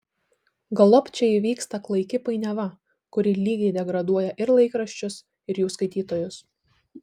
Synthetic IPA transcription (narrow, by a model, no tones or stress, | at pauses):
ɡɐlˠɔpʲt͡ʃʲɛiʋʲiːkst̪ɐklˠɐɪkʲɪpɐɪnʲɛʋɐ | kʊɾʲɪlʲiːɡʲɛɪd̪ʲɛɡɾɐd̪uɔjɛʔɪɾlˠɐɪkɾɐʃʲt͡ʃʲʊs | ɪɾjuːskɐɪt̪ʲiːt̪oːjʊs